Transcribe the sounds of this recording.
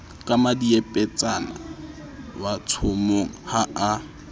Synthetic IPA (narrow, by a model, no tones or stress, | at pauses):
kʼamadiepʼɛt͡sʼana̰ | wat͡sʰomoŋ̩haʔa